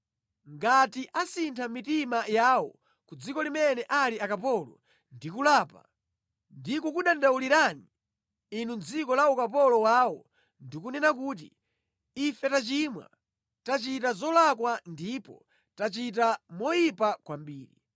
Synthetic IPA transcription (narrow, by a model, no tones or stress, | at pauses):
ŋɡatiʔasintʰamitimajaːwɔ̰ | kud͡zikɔlimɛnɛʔaliakapɔlɔ̰ | ndikulaːpa̰ | ndikɔkuɗandauliɾani | inund͡zikɔlaukapɔlɔwaːwɔ | ndikunɛnak̬uːt̬ḭː | fɛtat͡ʃimwa̰ | tat͡ʃitazɔlakwandiːpɔ̰ | tat͡ʃit̬amɔjipakwambiːɾi